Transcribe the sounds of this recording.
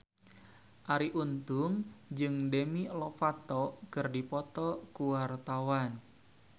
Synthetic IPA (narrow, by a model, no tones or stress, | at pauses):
ʔaɾiʔunt̪ʊŋd͡ʒɨŋdemilɔfat̪ɔkɨrdipɔt̪ɔkuwart̪awan